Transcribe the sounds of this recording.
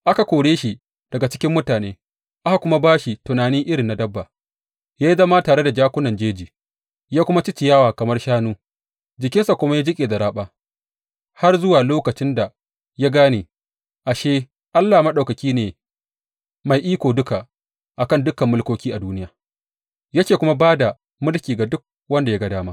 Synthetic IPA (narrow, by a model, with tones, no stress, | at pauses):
ʔa˦ka˨kʷoː˨ɽeː˦ʃi˨ | d̥ɐ˨ɡa˨t͡ʃɪ˦kʲɪ˦mːʊ˦taː˨neː˦ | ʔa˦ha˨kʷʊ˦ma˦baː˦ʃi˨tʊ˨naː˨nɪ˦ʔɪ˦ɽɪ˨nːa˨dɐ˦bːaː˨ | jaː˦ji˦zɐ˦ma˦taː˨ɽe˦da˨d͡ʒaː˦kʷʊ˦nɐ˨nd͡ʒeː˦d͡ʒiː˨ | jaː˦kʷʊ˦ma˦t͡ʃɪ˦t͡ʃɪ˨jaː˦waː˨kɐ˨mɐ˦rʃaː˦nuː˦ | d͡ʒɪ˨kʲɪ˦nsa˨kʷʊ˦ma˦jaː˦d͡ʒɪ˦kʲʼeː˨zɐ˨ɾaː˦ɓaː˦ | ha˦rzʊ˦waː˨loː˦kɐ˨t͡ʃɪ˦nda˨ | ja˦ɡaː˦neː˨ | ʔa˨ʃeː˦ | ʔa˦lːaː˨ma˦ɗa˨wkɐ˨kʲiː˦neː˨ | ma˨jʔiː˦kʷoː˨dʊ˦ka˨ | ʔa˨kɐ˦˨ndʊ˦kɐ˨mːʊ˦lkʷoː˦kʲiː˦ʔa˨duː˦nɪ˦jaː˨ | jɐ˦kʲeː˨kʷʊ˦ma˦baː˦da˨ | mʊ˦lkʲiː˨ɡa˨dʊ˦k̚ | wɐ˦nda˨ja˦ɡɐ˦daː˦maː˦